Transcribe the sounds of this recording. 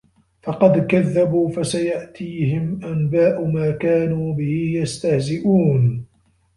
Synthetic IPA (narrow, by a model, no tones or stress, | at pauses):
fɑqɑd̪kaðːabuːfasajaʔt̪ʰiːɦɪmʔanbaːʔʊmaːkaːnuːbɪhɪjast̪ahzɪʔuːn